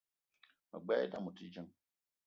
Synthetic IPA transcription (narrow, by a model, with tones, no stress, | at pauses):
ma̰˨ɡ͡bɛː˦da˦˨mu˨ti˦d͡ʒə˦ŋ